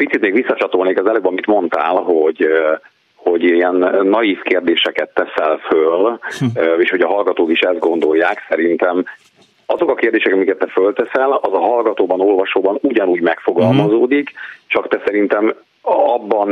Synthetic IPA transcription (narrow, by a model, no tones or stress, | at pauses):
pit̪sit̪meːɡʋisːɒt͡ʃɒt̪o̞lneːkɒzɛløːbɒmit̪mo̞nt̪aːlɦo̞ɟ | ho̞ɟiɛnːɒjifkeːrd̪eːʃɛkɛt̪ːɛsɛlføl | eːʃho̞ɟɒɦɒlɡɒt̪oːkiʃɛzd̪̚ɡo̞nd̪o̞jːaːksɛɾint̪ɛm | ɒzo̞kɒkeːrd̪eːʃɛkɒmikɛt̪ːɛfølt̪ɛsɛlɒzɒɦɒlɡɒt̪oːbɒno̞lvɒʃoːbɒnuɟɒnuːɟmɛkfo̞ɡɒlmɒzoːd̪ikt͡ʃɒkt̪ɛsɛɾint̪ɛm | ɒbːɒn